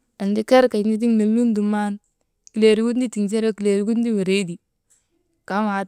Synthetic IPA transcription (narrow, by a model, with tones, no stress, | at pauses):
a˨ndi˦ke˦ɾka˨i˨ni˦t̬i˦ŋne˨lːu˦ndu˨ma˦n | ki˨le˨ɾi˦ku˦n˦di˦ti˨ŋs̬e˦ɾo˦ki˨le˨ɾi˦ɡu˦n˦di˦we˨ɾe˦di˨ | ka˨˦ma˨